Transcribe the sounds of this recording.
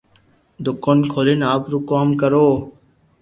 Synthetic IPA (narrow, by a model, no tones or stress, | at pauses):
d̪ʊkoːnkʰoːlɪnaːpɾuːkaːmkəɾoː